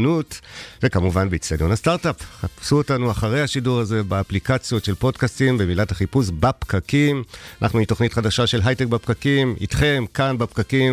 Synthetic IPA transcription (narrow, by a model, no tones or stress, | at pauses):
nutzekamuvanbeit͡sadjonhastaʁtapχapsuotanuaχaʁe̞jhaʃiduʁaze̞baːplikat͡sjo̞tʃe̞lpo̞dkastimbe̞milathaχipusbapkakimana̰χnuito̞χnitχadaʃaʃe̞lɦajtek̚bapkakimḭtχe̞mkanbapkakim